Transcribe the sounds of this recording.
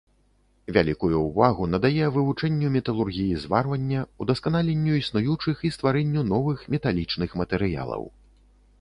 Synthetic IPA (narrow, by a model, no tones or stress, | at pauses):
vʲalʲikujuːvaɣunɐd̪ajɛvɨvut͡ʂɛnʲːumʲɛt̪ɐlˠurɣʲijizvarvɐnʲːɐud̪ɐskanalʲenʲːuisnujut͡ʂɨxist̪vaɾɛnʲːun̪ɔvɨxmʲɛt̪alʲit͡ʂnɨxmɐt̪ɛɾɨja̰lˠɐ̰w